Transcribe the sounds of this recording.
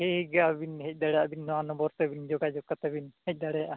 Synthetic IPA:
heiɡabinhɛc̚ˀd̪aɽɛjaʔbinːɔanɔbɔɾt̪ɛbind͡ʒɔɡad͡ʒɔkat̪ɛbinhɛc̚ˀd̪aɽɛjaʔa

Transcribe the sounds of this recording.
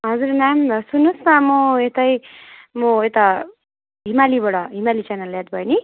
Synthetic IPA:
ɦʌd͡zuɾnamsunːusmamoet̪ʌjmoet̪ʌ | ɦimalibʌɽʌɦimalit͡sanaljat̪̚bʱʌjni

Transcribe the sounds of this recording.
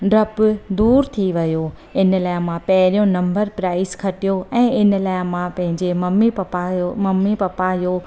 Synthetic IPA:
ɖɾɐpd̪uːɾt̪ʰiʋɐjo | ɪnlaːɪmãpɐɦɪɾijõnɐ̃mbəɾpɾaːɪskʰɐʈijoɛ̃ːɪnlaːɪmãpɐ̃ɦɪ̃ɲd͡ʑemɐmipɐamɐmːipɐpajo

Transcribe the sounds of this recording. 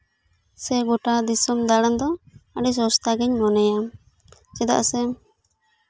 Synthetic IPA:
sɛɡuʈad̪isumd̪aɽand̪ɔaɖis̬ɔst̪aɡɛɲmɔnɛjam | t͡ʃɛd̪a̰ʔsɛm

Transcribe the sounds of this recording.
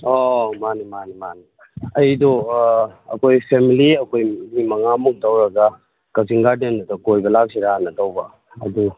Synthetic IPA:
omanimanimani | ɐjdɔ | ɐ̰kojpʰemiliɐkojnimɐŋamuk̚dawɾɐɡa | kawsiŋɡaɾdendutɔkojbɐlak̚siɾaanɐtawba | ɐ̰du

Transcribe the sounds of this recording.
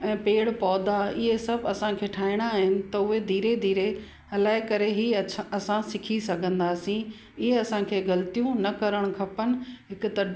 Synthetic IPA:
ɛ̃ːpeːɽpɔːd̪aɪɦesɐbʱɐsãkʰeːʈʰaːɦɪɽ̃aːɦɪnɪ̆t̪ɐʊɦed̪ʱiːɾed̪ʱiːɾe | ɦɐlaːɪkɐɾeɦiːɐsãsɪkʰisɐɡʱə̃nd̪aːsĩ | ɪɦeɐsãkʰeːɡɐlt̪ijũnɐkɐɾəɽ̃ʊkʰɐpənɪ̆ɦɪkʊt̪ɐ

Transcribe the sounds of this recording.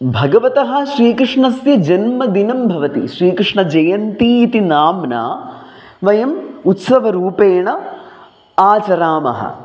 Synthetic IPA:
bʱɐɡɐʋɐt̪ɐɦɐ̆ʃɾiːkɾɪʂɳɐsjɐd͡ʒɐnmɐd̪inɐmbʱɐʋɐt̪iʃɾiːkɾɪʂɳɐd͡ʒɐjɐnt̪iːt̪inaːmna̰ː | ʋɐjɐmut̪sɐʋɐɾuːpeːɳɐ | aːt͡ʃɐɾaːmɐ̰ɦɐ̰

